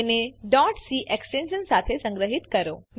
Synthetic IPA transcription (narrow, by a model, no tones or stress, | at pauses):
neɖɔʈsiʔeksʈenʃənsat̪ʰesə̃ŋɡɾəɦit̪kəɾom